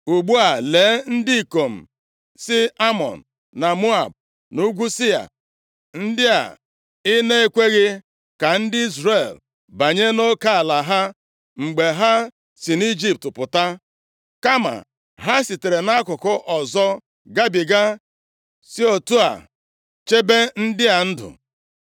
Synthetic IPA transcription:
u˨ɡ͡bu˦a˨le˨˦n̩˦dɪ˦i˨ko˨m̩˨ | sɪ˦a˦mɔ̰˨n̩˨ | na˨mu˦a˨b̚ | nu˦ɡʷu˦sɪ˦a̰˨ | n̩˦dɪ˦a̰˨ | ɪ˦ne˦e˦kʷe˦ɣɪ˦ | ka˨n̩˦dɪ˦i˦zɾe˨l | ba˨ɲe˦no˦ka˦a˨la˨ɦa˦ | ŋ͡m̩˨ɡ͡be˨ɦa˦ | si˨ni˦d͡ʒi˦p̚tpʊ˨ta˦ | ka˦ma̰˨ | ɦa˦si˨te˨ɾe˨na˦kʊ˨kʊ˦ʔɔ˨zɔ˦ | ɡa˦bi˨ɡa˦ | si˦o˨tu˦a̰˨ | t͡ʃe˦be˦n̩˦dɪ˦a˨n̩˦dʊ̰˨

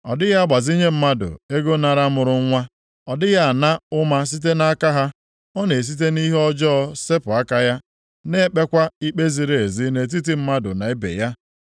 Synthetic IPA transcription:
ɔ̰˨dɪ˦ja˦a˦ɡ͡ba˨zi˦ɲe˦m̩˦ma˦dʊ̰˨e˦ɡo˦na˨ɾa˦mʊ˨ɾʊ˦ŋ˦ŋʷa˦ | ɔ˨dɪ˦ja˦˨na˦ʊ˦ma˦s̬i˦t̬e˦na˦a˦ka˦ɦa˦ | ɔ˦ne˨s̬i˦t̬e˦ni˦ɦɔ˦d͡ʒɔ˦˨se˦pʊ˨a˦ka˦ja˦ | ne˦k͡pe˦kʷa˦i˦k͡pe˦zi˨ɾe˨e˨zi˦ne˨t̬i˦t̬i˦m̩˦ma˦dʊ̰˨na˨e˦bḛ˨ja˦

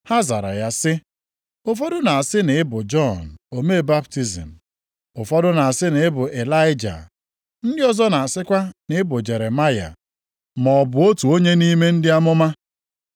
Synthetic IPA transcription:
ha˦za˨ɾa̰˨ja˦sɪ˦ | ʊ˦fɔ˦dʊ˦na˨a˨sɪ˦nɪ˨ɪ˦bʊ˨d͡ʒɔ˦n̩˨o˨me˦˨ba˦pti˦zḭ˨m̩˨ | ʊ˨fɔ˦dʊ˦na˨a˨sɪ˦nɪ˨ɪ˦bʊ˨ʔe˨la˦ɪ˦d͡ʒa̰˨ | n̩˦dɪ˦ɔ˦zɔ˦na˨a˨sɪ˦kʷa˦nɪ˨˦ɪ˦bʊ˨d͡ʒe˨ɾe˨ma˦ja̰˨ | mɔ˨bʊ˨o˦tu˨o˦ɲe˦ni˦me˦n̩˦dɪ˦a˦mʊ˦ma˦

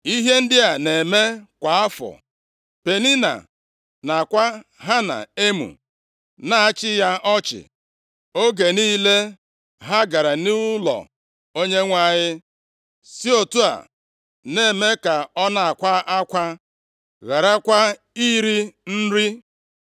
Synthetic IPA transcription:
i˦ɦe˦n̩˦dɪ˦a˨ne˨me˦kʷa˨a˦fɔ̰˨ | pe˨ni˦na̰˨ | na˨kʷa˦ɦa˦na̰˨e˦mṵ˨ | na˦a˦t͡ʃɪ˦ja˦ɔ˦t͡ʃɪ̰˨ | o˦ɡe˨niː˦le˦ | ɦa˦ɡa˨ɾa˨nu˦lɔ̰˨ | o˦ɲe˦ŋʷa˦˨ɲɪ˦ | si˦o˨tu˦a̰˨ | ne˨me˦ka˨ɔ˦na˦˨a˨kʷa˦a˦kʷa˦ | ɣa˨ɾa˦kʷa˦ | i˦ɾi˦n̩˦ɾi˦

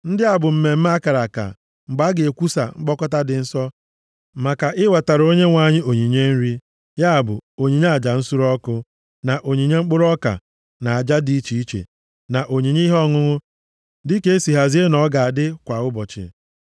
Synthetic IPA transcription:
n̩˦dɪ˦a˨bʊ˨m̩˦me˨m̩˦m˦a˦ka˨ɾa˨ka̰˨ | ŋ͡m̩˨ɡ͡ba˦ɡe˨e˨kʷu˦sa̰˨ŋ͡m̩˦k͡pɔ˦kɔ˦ta˦dɪ˨n̩˦sɔ˦ | ma˨ka˨ʔɪ˦wa˨ta˨ɾo˦ɲe˦ŋʷa˨ɲɪ˦o˨ɲi˨ɲe˦n̩˦ɾi˦ | ja˦a˨bʊ̰˨o˨ɲi˨ɲ˦a˨d͡ʒa˨n̩˦su˦ɾɔ˦kʊ˦ | na˨ʔo˨ɲi˨ɲe˦ŋ͡m̩˦k͡pʊ˦ɾɔ˦ka̰˨ | na˨a˨d͡ʒa˦di˦i˦t͡ʃi˨˦i˦t͡ʃḛ˨ | na˨ʔo˨ɲi˨ɲi˦ɦɔ˦ŋʊ˦ŋʊ˦ | dɪ˦ke˦e˦si˨ɦa˨zi˦e˦nɔ˨˦ɡa˨a˨dɪ˦kʷa˨ʊ˦bɔ˨t͡ʃɪ̰˨

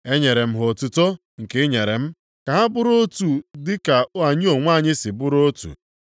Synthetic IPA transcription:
e˦ɲe˨ɾe˨m̩˦ɦo˨tʊ˦to˦ | ŋ̩˨ke˦ɲe˨ɾe˨m̩˦ | ka˨ɦa˦bʊ˦ɾo˦tu˨dɪ˦ka˨ʊ˦a˨ɲɪ˦o˨ŋʷa˦˨ɲɪ˦sɪ˨bʊ˦ɾo˦tṵ˨

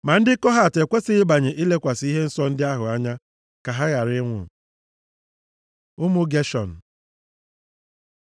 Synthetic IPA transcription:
ma˨n̩˦dɪ˦kɔ˦ɦa˨te˨kʷe˦sɪ˦ɪ˦ba˨ɲe˨ʔi˦le˦kʷa˨si˦ɦe˦n̩˦sɔ˦n̩˦dɪ˦a˦ɦʊ˨a˦ɲa˦ | ka˨ɦa˦ɣa˨ɾɪ˦ŋʷʊ̰˨ | ʊ˦mʊ˦ɡe˦ʃɔ̰˨n̩˨

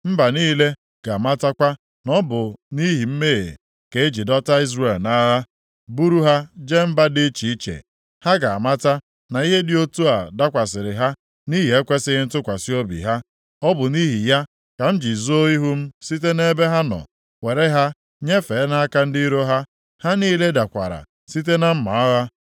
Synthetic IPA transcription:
m̩˦ba˨niː˦le˦ | ɡ̥a˨ma˦ta˦kʷa˦ | nɔ˦bʊ˨ni˦ɦi˨m̩˦mḛ˦˨ | ke˨e˦d͡ʒi˨dɔ˦ta˦i˦zɾe˨lna˦ɦa˦ | bu˦ɾu˦ɦa˦d͡ʒe˦m̩˦ba˦dɪ˦t͡ʃi˨i˦t͡ʃḛ˨ | ha˦ɡa˨a˨ma˦ta˦ | na˨i˦ɦe˦dɪ˨o˦tu˦a˨da˦kʷa˨s̬ɪ˨ɾɪ˨ɦa˦ | ni˦ɦi˨e˦kʷe˦sɪ˦ɣɪ˦n̩˦tʊ˦kʷa˨si˦o˦bḭ˨ɦa˦ | ɔ˦bʊ˨ni˦ɦi˨ja˦ | ka˨m̩˦d͡ʒi˨zo˦i˦ɦu˦m̩˦si˦t̬e˦ne˦be˦ɦa˦nɔ̰˨ | we˨ɾe˦ɦa˦ | ɲe˦fe˨˦na˦a˦ka˦n̩˦di˦ɾo˦ɦa˦ | ha˦niː˦le˦da˨kʷa̰˨ɾa̰˨ | si˦t̬e˦na˦m̩˦ma̰˨ɔ˦ɣa˦

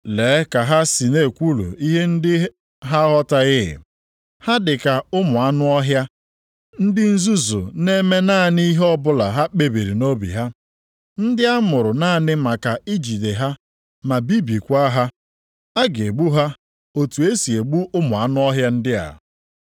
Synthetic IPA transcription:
leː˨˦ka˨ɦa˦si˨ne˦˨kʷu˦lṵ˨i˦ɦe˦n̩˦dɪ˦ | ɦa˦ɦɔ˦ta˦ɣɪ̰˦˨ | ha˦dɪ˨ka˨ʊ˦mʊ˨a˦nʊ˦ɔ˦ɦja˦ | n̩˦dɪ˦n̩˦zu˦zʊ̰˨ne˦me˦naː˦˨ni˦ɦɔ˦bʊ˦la˨ɦa˦k͡pe˨bi˨ɾi˨no˦bḭ˨ɦa˦ | n̩˦dɪ˦a˦mʊ˨ɾʊ˨na˦˨nɪ˦ma˨ka˨i˦d͡ʒi˨de˨ɦa˦ | ma˨bi˦bi˨kʷa˦ɦa˦ | a˦ɡe˨ɡ͡bu˦ɦa˦ | o˨tu˨e˦si˨e˨ɡ͡bu˦ʔʊ˦mʊ˨a˦nʊ˦ɔ˦ɦja˦n̩˦dɪ˦a̰˨

